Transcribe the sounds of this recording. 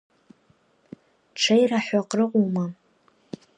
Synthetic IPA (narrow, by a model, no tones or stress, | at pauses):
ʈ͡ʂʰajraħaqʼrɨqʷʼuma